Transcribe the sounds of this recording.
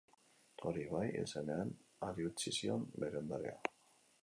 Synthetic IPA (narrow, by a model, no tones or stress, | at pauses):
o̞ɾiβajḛsene̞anaɾiut͡sisio̞̰mbe̞ɾeond̪aɾḛa̰